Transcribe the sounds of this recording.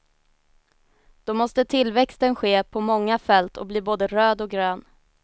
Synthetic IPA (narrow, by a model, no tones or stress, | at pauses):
d̪̥ɔmɔst̪ət̪ʰɪlːvɛkst̪ənɧeːpʰɔmɔŋːafɛlt̪ʰɔ̰bliːboːd̪əɾøːd̪ɔɡɾøːn